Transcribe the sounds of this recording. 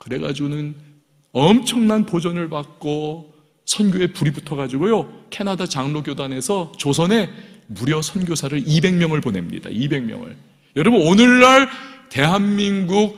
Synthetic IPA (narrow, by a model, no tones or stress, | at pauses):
kɯɾe̞ɡad͡ʑunɯn | ʌmt͡ɕʰʌŋnanpod͡ʑʌnɯɭpak̚k͈o | sʰʌnɡʲjoe̞puɾibutʰʌɣad͡ʑiɡojokʰe̞nadat͡ɕaŋnoɡjodane̞sʰʌt͡ɕos̬ʰʌne̞muɾjʌsʰʌnɡjosʰaɾɯɾibe̞ŋmjʌŋɯɭpone̞̰mɲḭda̰ibe̞ŋmjʌ̰ŋɯ̰ɭ | jʌɾʌbɯnonɯɭːaɭte̞ɦanminɡuk̚